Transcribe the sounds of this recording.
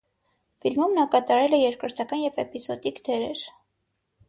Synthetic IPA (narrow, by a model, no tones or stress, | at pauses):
filmumnɑkɑt̪ɑɾɛlɛjɛɾkɾəɾt̪ʰɑkɑnjɛvɛpizɔd̪ikd̪ɛɾɛɾ